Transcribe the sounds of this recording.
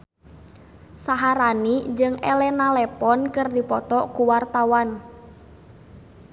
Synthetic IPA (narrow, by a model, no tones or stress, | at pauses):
saɦaɾanid͡ʒɨŋɛlɛnalɛpɔnkɨrdipɔt̪ɔkuwart̪awan